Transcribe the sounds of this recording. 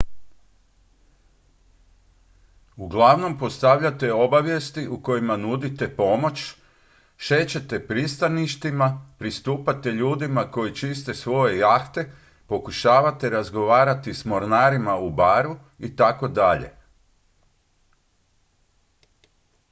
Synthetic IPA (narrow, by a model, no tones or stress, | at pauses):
uɡlˠaʋno̞mpo̞st̪aʋʎat̪eo̞baʋje̞st̪iʔuko̞jimanud̪it̪e̞po̞mo̞t͡ʃ | ʃe̞t͡ɕe̞t̪e̞pɾist̪aniʃt̪imapɾist̪uːpat̪e̞ʎuːd̪imako̞jit͡ʃist̪e̞sʋo̞je̞jaːxt̪e̞ | po̞kuʃaːʋat̪e̞ɾazɡo̞ʋaːɾat̪ismo̞ɾnaɾimaubaːɾu | it̪ako̞d̪aʎe̞̰